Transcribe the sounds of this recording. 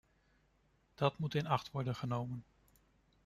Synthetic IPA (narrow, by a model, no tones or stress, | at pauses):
d̥ɑtmutɪnɑχtʋɔɹdənχənowmən